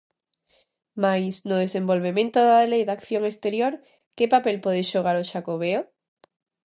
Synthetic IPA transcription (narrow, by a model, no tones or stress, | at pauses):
majsnoð̞e̞sẽ̞mbo̞lβemẽnt̪oðaðlejðakθjo̞ŋest̪e̞ɾjoɾ | kepape̞lpoðeʃoɣ̞aɾoʃakoβ̞eo